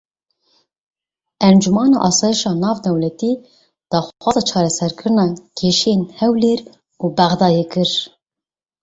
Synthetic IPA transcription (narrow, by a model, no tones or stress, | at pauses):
ɛnd͡ʒumɑːnɑ̰ːʔɑːsɑːjiʃɑːnɑːvd̪ɛwlɛt̪iː | d̪̥ɑːxwʷɑːzɑːt͡ʃʰɑːɾɛsɛɾkʰɨɾɨnɑːkʰeːʃijenhɛwleːɾ | uːbæɣd̪ɑːjeːkɨɾ